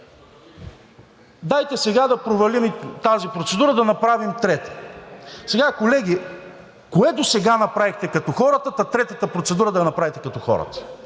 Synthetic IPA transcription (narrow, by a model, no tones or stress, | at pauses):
d̪ajt̪ɛsɛɡad̪ɐpɾovɐlimit̪azipɾot̪sɛd̪uɾəd̪ɐnɐpɾavimt̪ɾɛt̪ə̥ | sɛɡakolɛɡ̟ʲi | koɛd̪osɛɡanɐpɾavixt̪ɛkɐt̪ɔxɔɾət̪ət̪ɐt̪ɾɛt̪ət̪əpɾot̪sɛd̪uɾəd̪ɐnɐpɾavit̪ɛkɐt̪ɔxɔ̰ɾə̰t̪ə̥